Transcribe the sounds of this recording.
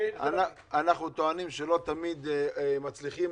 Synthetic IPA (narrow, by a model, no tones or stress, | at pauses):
a̰na | anaχnut̪oanimʃelo̞t̪amid̪mat͡sliχim